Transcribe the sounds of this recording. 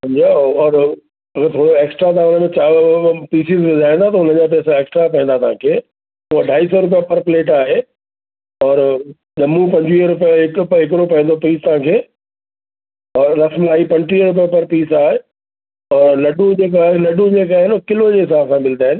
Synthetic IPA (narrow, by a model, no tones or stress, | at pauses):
sɐ̃md͡ʑiaɔːɾ | ɐɡəɾt̪ʰoːɽoeːksʈɾat̪ɐɦãʊnəmẽt͡ɕaːʋpiːsɪzʋʊd̪ʱaːĩnd̪at̪ɐʊnəd͡ʑap̬ɛːsãeːksʈɾapɐ̃ɦĩnd̪at̪ɐɦãkʰeː | uɦaɖʱaːisɔɾʊp̬ijapɐɾpleːʈaːɦe | ɔːɾ | ʄɐmũpɐ̃ɲd͡ʑʋiɾʊpijəɦɪkpɦɪk̬ɽopɐ̃ɦɪ̃nd̪opiːst̪ɐɦãkʰeː | ɔːɾːɐsmlaːipɐ̃ɲʈiːəɾʊp̬ijəpɐɾpiːsaːɦe | ɔːɾlɐɖũd͡ʑeːk̬aːɦelɐɖũd͡ʑeːkaːɦɪnokɪlod͡ʑeɦɪsaːbsãmɪlt̪ʰaːɦɪ̃n